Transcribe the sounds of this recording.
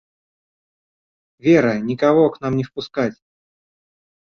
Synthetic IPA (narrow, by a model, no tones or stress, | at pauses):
vʲeɾənʲɪkɐvoknamnʲɪfpʊskatʲ